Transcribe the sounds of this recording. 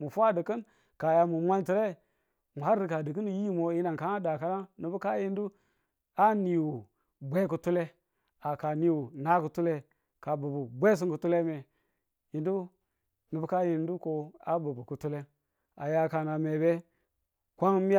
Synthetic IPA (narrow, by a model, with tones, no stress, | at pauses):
mu˨fu˦a˦də˨kə˦n | ka˨ja˨mu˨mʷa˦nti˨ɾe˦ | mu˨ha˦ɾɾi˦ka˨di˨k̬i˦ni˨ji˦mo˨ji˦na˨ŋka˨ŋa˦da˨ka˦na˦nə˨bu˦ka˦ji˦n˦du˦ | a˦ni˨wu˨ | bʷe˦k̬u˦tu˦le˦ | a˨ka˨ni˦wu˨na˦ku˨tu˦le˦ | ka˨bu˨bu˨bʷe˦s̬i˦ŋku˨tu˦le˦me˨ | ji˨ndu˦ | nɨ˨bu˦ka˦ji˦n˦du˦ko˨a˦bu˨bu˨ku˨tu˦le˦ | a˨ja˨ka˨na˨me˨be˦ | kʷa˦ŋ˦mi˦